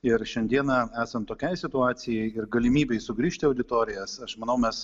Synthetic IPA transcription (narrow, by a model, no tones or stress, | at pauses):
ɪɾʃʲɛnʲd̪ʲiɛnɐæːsɐmt̪oːkʲɛɪsʲɪt̪ʊɑːt̪sʲɪjɛɪɪɾɡɐlʲɪmʲiːbʲɛɪsʊɡɾʲiːʃʲt̪ʲɪɐʊd̪ʲɪt̪oːɾʲɪjɛsɐʃmɐnɐʊmʲɛs